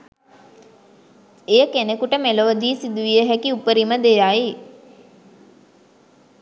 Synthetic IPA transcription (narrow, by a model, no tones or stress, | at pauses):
ejəkenekuʈəmeloʋəd̪iːsid̪uʋijəɦækiupəɾiməd̪ejai